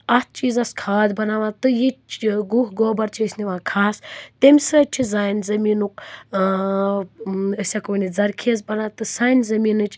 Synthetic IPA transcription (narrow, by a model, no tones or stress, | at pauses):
ɐt̪̚ʰt͡ʃiːzɐskʰaːd̪ʲbɐnaːʋãːt̪ɨjit͡ʃʰɡuɦɡoːbɐɾt͡ʃʰiəsʲniʋãːkʰaːst̪emʲsɐt͡ʃʰizaːjnzɐmiːnuk̚ | əsʲakoːnid͡zɐɾkʰezbɐnaːt̪ɨsaːjnzɐmiːnɨt͡ʃʰʲ